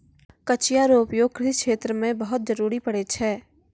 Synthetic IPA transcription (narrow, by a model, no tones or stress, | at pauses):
kɐt͡ʃijaːɾoːpijokɾɪkʃeːt̪ɾəmẽbɐɦʊt̪̚d͡ʒɐɾuːɾipɐɽet͡ʃʰɛː